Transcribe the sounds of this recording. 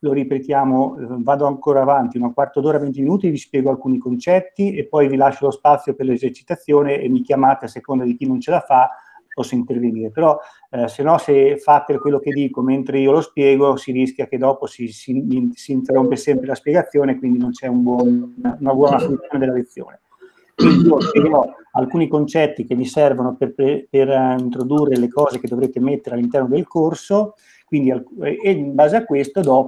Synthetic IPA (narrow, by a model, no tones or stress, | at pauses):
loɾipet̪jaːmovaːd̪oaŋkoːɾaːvant̪iunakwart̪od̪oːɾavent̪̬iminuːt̪ivispjɛːɡoalkuːnikont͡ʃɛt̪ːiepːɔjvilaʃːolospat̪sːjoperlezert͡ʃi̥t̪at̪sːjoːneḛmikjamaːt̪easekond̪ad̪ikinont͡ʃelafa | pːɔsːoint̪erveniːɾepeɾɔ | senːɔsefat̪ːekwelːoked̪iːkoment̪ɾeiolospjɛːɡosiɾisk̟jaked̪ɔːposisisiːnt̪erːompesɛmpɾelaspjeɡat̪sːjoːnekwind̪inont͡ʃɛumbwɔnnnabɔnasolut̪joːned̪elːalet̪sːjo̰ːne | kwind̪iiːospjeɡeɾɔalkuːnikont͡ʃɛt̪ːikemːisɛrvonoperpperint̪ɾod̪urːelekɔːzeked̪ovɾeːt̪emet̪ːeɾealːint̪ɛrnod̪elkorso | kwind̪ialeimbaːzeakwest̪od̪ɔ